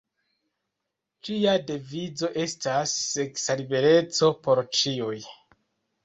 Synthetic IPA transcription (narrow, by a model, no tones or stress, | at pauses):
d͡ʒiadevid͡zo̞ʔe̞stasːeksalibe̞ɾe̞t͡so̞po̞ɾt͡ʃiuj